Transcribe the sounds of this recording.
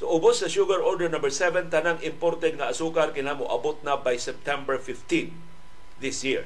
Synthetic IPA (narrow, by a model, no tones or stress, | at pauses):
t̪ʊʔʊbʊsːɐʃuɡaɾoɹdɛɹnɐ̃mbəɹsɛvɛ̃nt̪anaŋɪmpoɾt̪ɛd̪̚ŋaasukaɾkɪnamʊʔa̰bʊt̪̚nabajsɛp̚t̪ɛ̃mbɛɹfɪft̪ĩn | ðɪsjiɹ